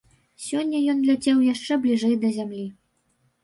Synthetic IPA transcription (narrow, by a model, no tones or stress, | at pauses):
sʲɔnʲːɐjɔnlʲad͡zʲɛwjaʂt͡ʂɛblʲiʐɛjd̪ɐzʲamlʲi